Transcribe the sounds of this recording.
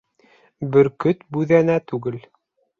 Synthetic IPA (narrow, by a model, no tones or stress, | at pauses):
bɘ̆ɾkɵt̪bʉðænæt̪ʉɡɘl